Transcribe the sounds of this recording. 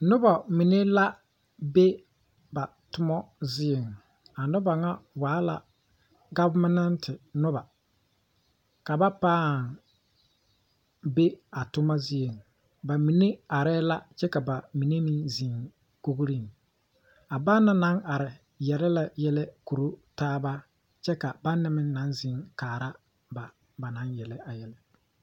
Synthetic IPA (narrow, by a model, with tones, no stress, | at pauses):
nʊ˦ba˨mi˨ne˦la˦ | be˦ | ba˨ | tʊ˦mɔ˦zɪ˦je˨ŋ | a˨nʊ˦ba˨ŋa˦waː˨˦la̰˨ | ɡa˦bmɪ˦na˦ntʰɪ˨nʊ˦ba˨ | ka˨ba˦paː˦˨ŋ | be˦a˨tʊ˦ma˦zɪ˦je˨ŋ | ba˨mi˨ne˦a˨ɾɛː˦la˦t͡ʃɛ˦ka˨ba˨mi˨ne˦mi˦zi˨ŋ | ko˦ɣɾi˦n˨ | a˨ba˦nːa˦na˦nʔa˨ɾɪ˨ | jɛ˨lɛ˦la˨jɛ˦lɛ˦ku˨ɾo˦taː˦ba˦ | t͡ʃɛ˦ka˨ba˦nːɪ˦mɪ˦n˦na˨˦nzɪ˨˦ŋkaː˨ɾa˦ | ba˨ | ba˨na˨˦njɛ˨lɛ˦a˨jɛ˨lɛ˦